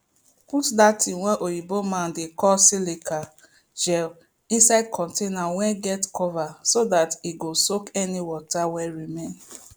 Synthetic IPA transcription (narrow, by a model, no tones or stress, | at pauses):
putdatĩwɛ̃nʔojibomãndekɔlsileka | d͡ʒɛl | ĩnsaɪd̚kʰɔ̃ntenawɛ̃nɡɛtkʰɔvasodatiɡosokɛniwɔtawɛɹimẽn